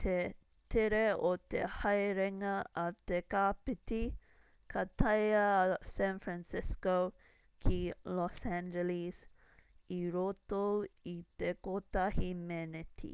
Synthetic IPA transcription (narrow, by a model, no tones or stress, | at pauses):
t̪ʰe | t̪ʰeɾeot̪ḛhɐjɾɛŋɐɐt̪ekapɪt̪i | kʰɐt̪ʰɐjɐsæ̃nfɾænsɪskow | kʰilɔsænd͡ʒɛlis | iɾot̪oit̪ekot̪ɐhimɛnɛt̪ʰḭ